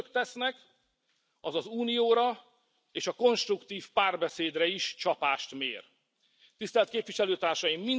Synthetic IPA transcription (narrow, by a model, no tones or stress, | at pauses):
kt̪ɛsnɛk | ɒzɒzuːnijoːɾɒ | eːʃɒko̞nʃt̪rukt̪iːfpaːrbɛseːd̪rɛiʃt͡ʃɒpaːʃt̪mḛːr | t̪ist̪ɛlt̪keːpviʃɛløːt̪aːrʃɒjimːin